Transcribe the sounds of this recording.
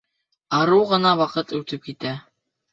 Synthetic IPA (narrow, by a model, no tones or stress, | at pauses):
ɑɾɤwʁɤ̆nɑwɑqɤt̪ʉt̪ɘp̚kit̪æ